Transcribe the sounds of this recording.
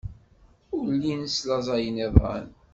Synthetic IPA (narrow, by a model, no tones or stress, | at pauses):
ʊɾlːinəslɑzˤɑjəneðˤʁæ̰n